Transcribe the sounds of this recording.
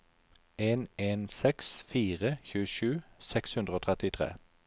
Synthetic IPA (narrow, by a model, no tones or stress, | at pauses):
eːneːnsɛksfiːʁəçʉːʃʉːsɛkshʉnʁəoːt̪ʰʁɛt̪ɪt̪ʰʁḛː